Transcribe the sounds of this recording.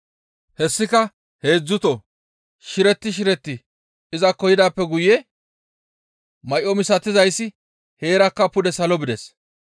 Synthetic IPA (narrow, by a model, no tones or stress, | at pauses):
hɛsːɪkɐ | he̞ːd͡zːʊt̪ɔ | ʃɪɾɛt̪ːɪʃ̬ɪɾɛt̪ːɪ | ɪzɐkːɔjɪd̪aːpːɛɡʊjɛ | mɐjʔɔmɪsɐt̪ːɪzɐjsːɪ | he̞ːɾɐkːɐpʊd̪ɛsɐlɔbɪd̪ɛs